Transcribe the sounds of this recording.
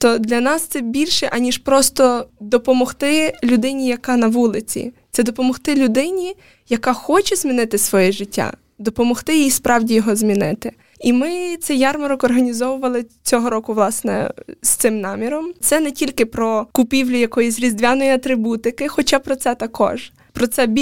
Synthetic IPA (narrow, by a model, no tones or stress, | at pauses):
t̪ɔd̪lʲɐnɑst̪sɛbʲilʲʃɛʔɐnʲiʃpɾɔst̪ɔd̪ɔpɔmɔxt̪ɪlʲʊd̪ɪnʲijɐkɑnɐʋulˠɪt͡sʲḭt̪sɛd̪ɔpɔmɔxt̪ɪlʲʊd̪ɪnʲi | jɐkɑxɔt͡ʃɛz̥ʲmʲinɪt̪ɪsʋɔjɛʒɪtʲːa̰ | d̪ɔpɔmɔxt̪ɪjiispɾɑwdʲijɔɦɔzmʲinɪ̰t̪ɪ | imɪt̪sɛjɑrmɐɾɔkɔrɦɐnʲizɔʋʊʋɐlˠɪt͡sʲɔɦɔɾɔkʊʋlˠɑsnɛ̰st̪ɪmnɑmʲiɾɔmt̪sɛnɛtʲilʲkɪpɾɔkʊpʲiwlʲʊjɐkɔjisʲɾʲizd̪ʋʲanɔjiɐt̪ɾɪbut̪ɪkɪxɔt͡ʃapɾɔt̪sɛt̪ɐkʰɔ̰ʒ̥ | pɾɔt̪sɛbʲ